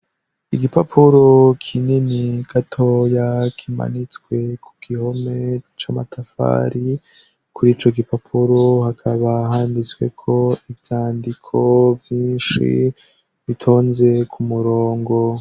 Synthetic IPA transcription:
iɡipapʰuɾokʰininiɡ̥atʰojakʰima̰nit͡skwe̞kʰu̥ɡ̥iho̞me̞t͡ʃamatʰafa̰ɾi | kuɾiːt͡ʃo̞ɡipapʰuɾohakʰaβaɦaːndit͡swe̞̰kʰo̞ivjaːndikʰo̞vjiːnʃḭ | βitʰo̞ːnze̞kʰumuɾoːŋɡo̞

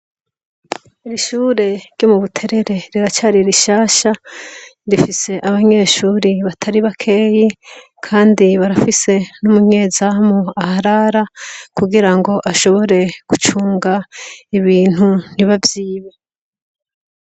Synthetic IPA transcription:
iɾiʃuːɾe̞ɾɟomuβutʰe̞ɾe̞ɾe̞ɾiɾat͡ʃaɾiɾiʃaːʃa | ɾifise̞ʔaβaɲe̞ːʃuːɾiβatʰaɾiβakʰe̞ːji | kʰaːndiβaɾafise̞numuɲe̞ːzamoahaɾaɾakuɡiɾaŋɡo̞ʔaʃo̞βo̞ɾe̞ɡ̥ut͡ʃuːŋɡaiβiːn̥hun̥iβavjiːβe

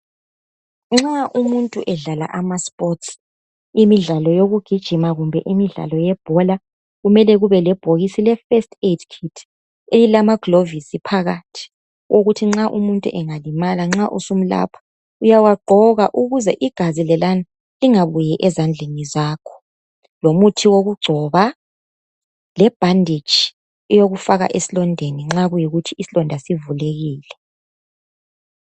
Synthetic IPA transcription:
ŋ͡ǁaʔumuntʼṵʔɛɮala̰ʔamaspʼɔts | imiɮalɔjoɣuɡ̥ʱid̥ʒ̥ʱimaɣumbʱɛʔimiɮa̰lɔjɛb̥ʱɔla | ɣumɛlɛɣuβɛlɛb̥ʱoɣisilɛfɛstʰʼedkʰitʰ | elilamaɡ̥lovisipʰaɣatʰi̥ | woɣutʰiŋ͡ǁaʔumuntʼṵʔɛŋalimalaŋ͡ǁaʔusum̩la̰pʰḁ | ujawaɡ͡ǃʱɔɣaʔuɣuzɛʔiɡ̥ʱazilɛlana | liŋaβujɛʔɛzand͡ɮʱenizaːkʰɔ̥ | lomutʰiwoɣuɡ͡ǀʱɔβa | lɛb̥ʱandʱid̥ʒ̥ʱi̥ | ɛjoɣufaɣa̰ʔesilɔndʱeniŋ͡ǁaɣujiɣutʰiisilɔndʱasivuleɣiːlɛ

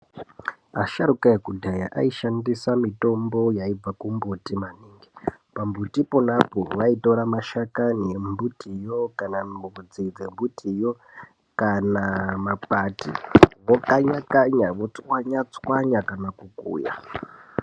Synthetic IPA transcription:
aʃaɾukaekudʱaja̰ʔa̰iʃandisamito̞mbo̞jaivakumbutimaniːŋɡipambutiponapoʋaitoɾamaʃakanembutijokanambud͡zid͡zembutʰijo | kanamapatḭʋokaɲakaɲaʋot͡swaɲat͡swaɲakanakukṵːja̰

